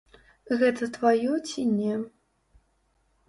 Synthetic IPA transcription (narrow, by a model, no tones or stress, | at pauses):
ɣɛt̪ɐt̪vajɔt͡sʲinʲɛ